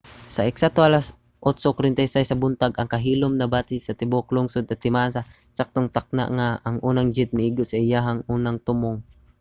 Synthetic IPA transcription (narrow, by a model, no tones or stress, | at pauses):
sɐʔɛksat̪oʔalas | ʔot̪sokɾɪnt̪ajsajsɐbʊnt̪aɡɐŋkɐɦiːlʊmnɐbaːt̪ɪsɐt̪ɪboklʊŋsod̪ɐt̪ːɪmaːsa | sak̚t̪oŋt̪ak̚na̰ʔŋaːŋʔuːnɐŋd͡ʒɪt̪̚mɪʔiɡosɐɪjaɦaŋuːnaŋt̪ʊmʊŋ